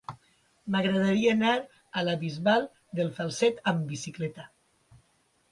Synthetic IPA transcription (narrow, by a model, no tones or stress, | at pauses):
maɣɾəðaɾiaːnaɾ | alaβizβalˠ | d̪əlˠfalˠsɛt̪əmbisiklɛt̪a